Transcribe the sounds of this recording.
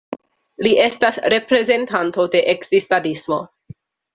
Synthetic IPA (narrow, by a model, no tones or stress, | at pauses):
liʔe̞stasɾe̞pɾe̞ze̞ntanto̞de̞ʔeksistanismo̞